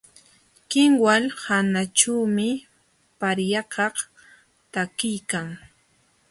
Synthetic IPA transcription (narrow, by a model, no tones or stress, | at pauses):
kɪŋwalhanat͡ʃawmɪ | paɾjɑkɑχ | t̪akɪjkaŋ